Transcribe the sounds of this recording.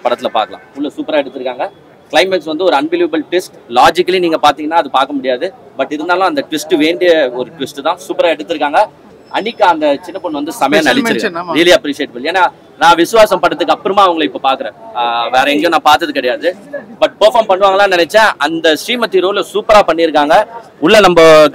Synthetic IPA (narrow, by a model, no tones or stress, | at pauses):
pɐɽɐt̪ːɪlɐpa̰ːɾkːɐlã̰ːʊlːɐsuːpɐɾaːɛɽɯt̪ːɯɾɯkːaːŋɡɐ | klɐɪmɛksʋɐnd̪ɯɔɾɯɐnbeluːʋɐbɐlʈʋɪsʈlaːd͡ʒɪkːɐliniːŋɡɐpaːɾt̪iːŋɐnːaːɐðɯpaːɾkːɐmʊɽɪjaːðɯ | bɐʈːɪɾɯnd̪aːlʊ̃ɐnd̪ɐʈʋɪsʈɯʋeːɳɖɪjɐɔɾɯʈʋɪsʈɯt̪ãːsuːpɐɾaːɛɽɯt̪ːɯɾɯkːaːŋɡɐ | ɐnɪkːɯ̃ɐnd̪ɐt͡ʃɪnːɐpːɔɳːʋɐnd̪ɯsɐmɐjɐ̃ːnɐɽɪtɯɾɯkːɾiːliɐpɾiːsɪjeːʈ̚bɐɭeːnːaː | nãːʋɪsɯʋaːsɐmpɐɽɐt̪ːɯkːɯɐpːɯɾɯmaːɐʋɐŋɡɐɭɐɪpːopaːɾkɯɾẽʋeːɾɐɛŋɡej̃naːpaːɾt̪ːɐðɯkɪɽɐjaːðɯ | bɐʈ̚pɐɾfaːmpɐɳːɯʋaːŋɡɐlãːnɪnɛt͡ʃːɛ̃ʔɐnd̪ɐsʈiːmɐt̪ːiɾoːlɐsuːpɐɾaːpɐɳːɪɾɯk̬ːaːŋɡɐ | ʊɭːɐnɐmbɐ